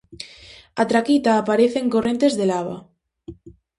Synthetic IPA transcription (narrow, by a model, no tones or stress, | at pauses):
at̪ɾakit̪aːpaɾeθeŋkorẽ̞nt̪ezðelaβa̰